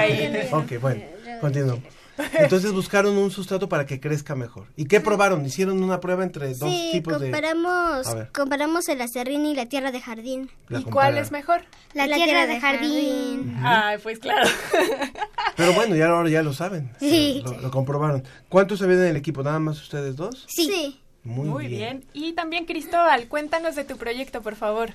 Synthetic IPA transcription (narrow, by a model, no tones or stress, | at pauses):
okejbwe̞nokont̪̬inwa | ent̪o̞ns̬e̞zβuskaɾo̞nunsus̬t̪ɾat̪o̞paɾake̞kɾe̞skame̞xo̞̰ɾike̞pɾo̞βaɾo̞nisje̞ɾo̞nũnapɾwe̞βaent̪ɾeðoist̪ipoozðepaɾamosa̰βeɾkompaɾamo̞selaserinilat̪jeraðexaɾðin | laikomkwalezmexoɾ | lat̪ajeeraðexaɾðinajpwesklaɾo | peɾo̞βwe̞no̞ʝaoɾaʝalo̞saβensiloloko̞mpɾoβaɾo̞n | kwant̪̬osaβiaenelekipo̞naðamasu̥st̪e̞ðezðo̞ssisi | mujuβjenit̪ambjeŋkɾist̪oβalkwe̞nt̪ano̞zðe̞t̪upɾo̞ʝe̞kt̪opoɾfaβo̞ɾ